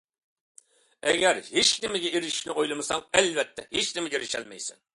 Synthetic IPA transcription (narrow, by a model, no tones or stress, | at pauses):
ɛɡʲɛɾhet͡ʃnɪmɪɡʲɛiɾɪʃnɪʔojlˠɨmɨsɑŋɛlvɛt̪ʰːɛ̰het͡ʃnɪmɪɡʲɛɾɪʃɛ̰lmɛ̰jsɪn